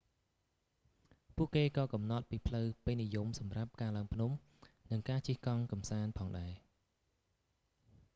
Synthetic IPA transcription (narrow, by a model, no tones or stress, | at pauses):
pʊəʔkeːkɑːkɑmnɑt̪̚piːpʰləwpeːnijumsɑmrap̚kaːlaəŋpʰnum | nɨŋkaːt͡ɕiəhkɑŋkɑmsaːnpʰɑːŋɗaɛ